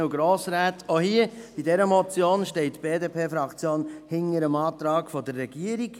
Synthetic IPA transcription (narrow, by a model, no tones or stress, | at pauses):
uɡɾoːsɾaːtohiəb̥idɛɾəmɔt͡sjoːnʃtɛɪtb̥eːdepʰeːfɾɑkt͡sjoːnhɪŋːəɾəmɑːt̪ɾɑːɡfɔdərːɛɡ̥iəɾiɡ